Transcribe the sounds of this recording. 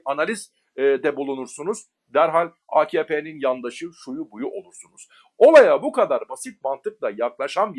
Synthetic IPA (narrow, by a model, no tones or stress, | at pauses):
analʲiz | d̪ɛbulˠunuɾsunuz̥ | d̪æɾɦalʲ | aːcʰeːpʰeninjand̪aʃɯʃujubujuʔo̞lˠuɾsunuz̥ | o̞lˠajabukad̪aɾbasit̪̚mant̪ʰɯk̚lˠajaklˠaʃanbi